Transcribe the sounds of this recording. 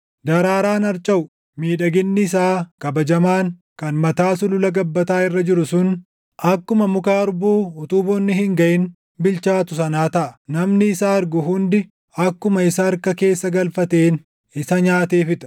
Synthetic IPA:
d̪ɐɾaːɾaːnɐɾt͡ʃʼɐʊ | miːᶑɐɡɪnːɪːs̬aːkɐbɐd͡ʒɐmaːŋkɐnmɐt̪aːsʊlʊlɐɡɐbːɐt̪aːɪrːɐd͡ʒɪɾʊsʊn | ɐkːʊmɐmʊkaːɾʊbuːʊt̪uːbɔnːɪhɪŋɡɐʔɪn | bɪlt͡ʃaːt̪ʊs̬ɐnaːt̪ɐʔɐ̥nɐmnɪːsaːɐɾɡʊɦʊnd̪ɪ | ɐkːʊmɐɪsɐːɾkɐke̞ːsːɐɡɐlfɐt̪e̞ːn | ɪsɐɲaːt̪eːfɪt̪ɐ̥

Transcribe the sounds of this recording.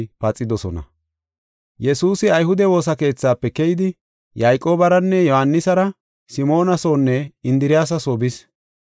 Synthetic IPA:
pɐt͡sʼːɪd̪ɔsɔnɐ̰ | jɛsuːsɪɐjɦʊd̪ɛwo̞ːs̬ɐke̞ːt͡sːaːpːɛkɛjɪd̪ɪ | jajkʼo̞ːbɐɾɐnːɛjɔhɐnːɪsɐɾɐ | sɪmo̞ːnɐso̞ːnːɛɪnd̪ɪɾɪjaːs̬ɐsobɪs

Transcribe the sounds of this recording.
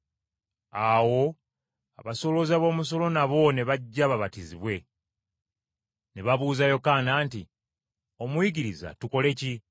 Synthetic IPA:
awo̞ | aβaso̞lo̞zaβo̞ːmus̬o̞lo̞naβo̞ne̞βaɟːaβaβatiziβwe̞ | neβaβuːzajo̞kanaːnti | o̞mwiɡiɾiza̰tuko̞le̞ci

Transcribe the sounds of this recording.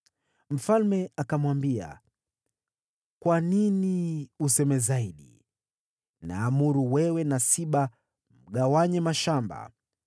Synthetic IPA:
m̩falmɛakamwambia̰ | kwaniniusɛmɛzaiɗḭ | na̰ːmuɾuwɛwɛnasiɓa | m̩ɠawaɲɛmaʃamba̰

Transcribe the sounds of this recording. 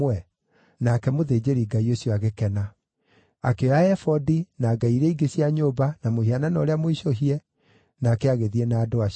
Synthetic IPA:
wɛ | nakɛmoðeːd͡ʑeɾiːɡaioɕjoaɣekɛna | akeoaɛfɔdinaːɡaiɾɛiɡesjaɲoːbanamohiananɔɾeamoiɕoɦiɛ | naːkɛaɣeðiɛnaːdoa

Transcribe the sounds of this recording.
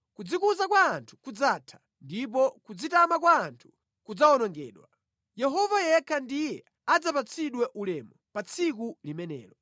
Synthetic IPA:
kud͡zikuzakwaːntʰu̥kud͡zatʰḁ | ndip̬ɔkud͡zitamakwaːntʰu̥ | kud͡zaɔnɔŋɡɛ̰ːɗwa | jɛɦɔvajɛkʰandijɛ | ad͡zapat͡sʰiɗwɛʔulɛmɔpat͡sʰikulimɛnɛ̰ːlɔ

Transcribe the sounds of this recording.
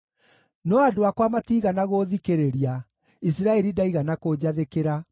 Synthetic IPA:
nɔadoakwamatiːɣanaɣoðikeɾeɾia | isiɾaɛɾidaiɣanakod͡ʑaðekeɾa

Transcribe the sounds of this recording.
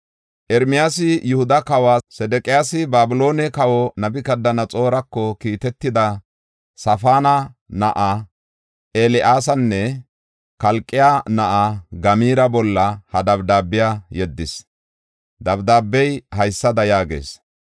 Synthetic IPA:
ʔɛɾmɪjaːsɪjʊhʊd̪ɐkɐwasɛd̪ɛkʼɪjaːsɪbaːbʊlo̞ːnɛkɐwɔnɐbɪkɐd̪ːɐnɐt͡sʼo̞ːɾɐkːɔkiːt̪ɛt̪ːɪd̪ɐ | sɐfaːnɐnɐʔa | ʔelɪʔaːsɐnːɛ | kɐlkʼːɪjaːnɐʔaɡɐmiːɾɐbɔlːɐhɐd̪ɐbd̪aːbːɪjajɛd̪ːɪs | d̪ɐbd̪aːbːɛjhɐjsːɐd̪ɐjaːɡḛːs

